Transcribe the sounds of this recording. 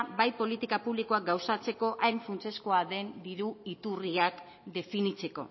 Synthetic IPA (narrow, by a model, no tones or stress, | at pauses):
bajpo̞lit̪ikapuβlikoak̚ɡawsat͡se̞ko̞ʔajɱfunt͡se̞skoaðe̞nd̪iɾuit̪uriak | d̪e̞finit͡se̞ko̞̰